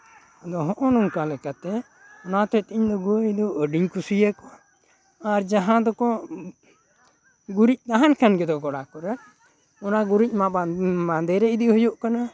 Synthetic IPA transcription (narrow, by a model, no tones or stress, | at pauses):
d̪ɔɦɔʔɔnɔŋkalɛkat̪ɛ | ɔnat̪ɔt̪iiɲd̪ɔɡujd̪ɔʔəɖiɲkusijakɔ | aɾd͡ʒaɦãd̪ɔkɔ | ɡuɾic̚t̪aɦankʰanɡɛd̪ɔɡɔɽakɔɾɛ | ɔnaɡuɾic̚ˀmaamand̪ɛɾɛid̪ihɔjɔʔkana